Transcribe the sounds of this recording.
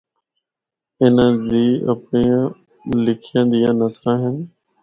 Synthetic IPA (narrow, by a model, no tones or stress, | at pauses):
ɪnəd͡ʑiːə̰pnĩː | lɪkʰijə̃nd̪ijãːnəsɾãːɦɪnɪ